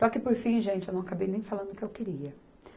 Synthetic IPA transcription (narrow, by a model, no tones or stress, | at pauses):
sɔkɪpoɾfĩʒẽnt͡ʃɪewnɐ̃w̃akabejnẽj̃falɐ̃nd̪ʊkɪewkeɾiɐ